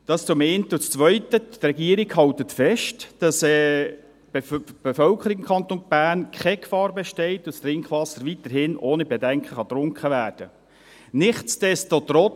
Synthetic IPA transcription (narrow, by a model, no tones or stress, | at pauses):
d̥ɑst͡sʊmɛɪntʊt͡st͡sʋœʏtətrɛɡiːəɾiɡhɑltətfɛʃtd̥ɑsɛ | bb̥efœlkʰəɾikɪmkʰχɑnt̪onb̥æːnkχɛkfɑːɾbɛʃtɛɪt̪ʊst̪ɾɪŋkχʋɑsəɾʋit̪əɾhɪnʔoːnibɛdɛŋkχəχɑt̪ɾʊŋkχəʋæːrd̥ə | nɪχt͡sd̥ɛst͡sot̪ɾɔ